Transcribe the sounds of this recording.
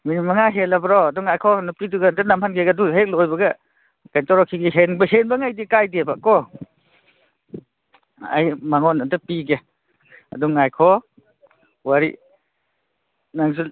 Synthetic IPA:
minimaŋaɦelabɾɔadɔŋajkʰɔnupiduɡantanamhanɡeɡaduɦek̚lɔjbɐɡa | kajntɔɾɔkʰiɡiɦenbahenbaŋajdikajdebakɔ | a̰jmaŋɔnantapiɡe | a̰dɔŋajkʰɔ | waɾḭ | naŋzu

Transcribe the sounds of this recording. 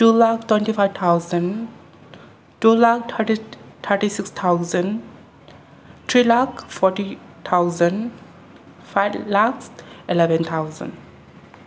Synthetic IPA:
ʈulaktwẽnɳʈifaɪbt̪ʰaʊzə̃n | ʈulakʰit̪ʰəʈisikst̪ʰaʊzə̃ɳ | t̪ʰɾilakfɔʈi | t̪ʰaʊzə̃ɳɖ | faɪlaksilɛʋə̃nt̪ʰaʊzə̰̃ɳɖ

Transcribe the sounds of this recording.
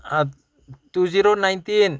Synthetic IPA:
a | t̪uziɾonajnt̪in

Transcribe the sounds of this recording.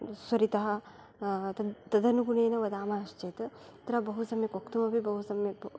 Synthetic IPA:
swɐɾit̪ɐɦɐ̆ | ɐt̪ɐd̪ɐnuɡuneːnɐʋɐd̪aːmaːɐʃt͡ʃeːt̪ɐt̪ɾɐbɐɦusɐmjɐkokt̪umɐbibɐɦusɐmjɐ

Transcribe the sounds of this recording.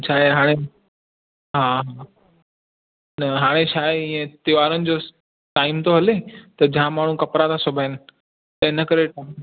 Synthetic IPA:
t͡ɕʰaːɦeɦaːɽ̃e | ɦãɦa | nɐɦaːɽ̃et͡ɕʰaːeĩẽt̪ɪʋaːɾənɪ̆d͡ʑo | ʈaːɪmt̪oɦɐlet̪ɐd͡ʑɦãmaːɳ̤ũkɐpɾat̪ʰasʊbʱaːɪnɪ | t̪ɐẽnɐkəɾeʈam

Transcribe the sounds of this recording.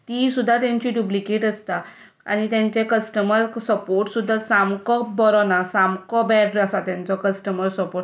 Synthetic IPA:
t̪isud̪ʱːat̪jãɲt͡ɕiɖjuplikeʈəst̪a | a̰ñit̪jãɲt͡ɕekəsʈəməɾsəpoɾʈsud̪ʱːat̪samkɔbɔɾɔnasamkɔbɛɖɾasat̪jãnt͡sɔkəsʈəməɾsəpoʈ

